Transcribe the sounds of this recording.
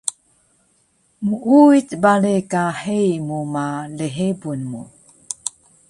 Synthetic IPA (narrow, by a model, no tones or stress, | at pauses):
muʔuit͡sbaɭekahejmumaleɦebunmṵ